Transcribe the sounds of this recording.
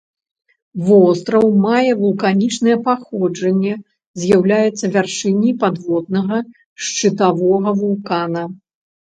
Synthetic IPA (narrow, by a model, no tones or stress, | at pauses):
vɔst̪ɾɐwmajɛvulˠkanʲit͡ʂnɐjɛpaxɔd͡ʐɐnʲːɛ | zʲjawlʲajɛt̪sːɐvʲarʂɨnʲːijpad̪vɔd̪nɐɣɐ | ʂt͡ʂɨt̪avɔɣɐvulˠkanɐ